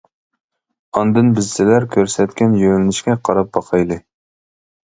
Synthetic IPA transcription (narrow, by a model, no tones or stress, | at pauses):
ɑnd̪ɨnbɪzːɪlæɾkʲʰøɾsɛt̪kʲɛnjølɪnɪʃkʲɛqʰɑɾɑp̚bɑqʰɑjlˠɨ